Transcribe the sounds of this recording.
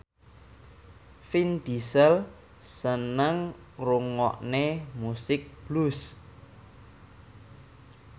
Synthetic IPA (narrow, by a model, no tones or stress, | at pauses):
find̪isəl | sənəŋ | ruŋɔ̰ʔnemusɪk̚b̥lus